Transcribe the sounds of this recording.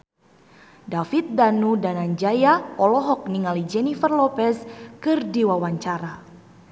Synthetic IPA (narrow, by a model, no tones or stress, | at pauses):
dafit̪̚danudanand͡ʒajaɔlɔɦɔk̚niŋalid͡ʒɛnifərlɔpɛskɨrdiwawaɲt͡ʃaɾa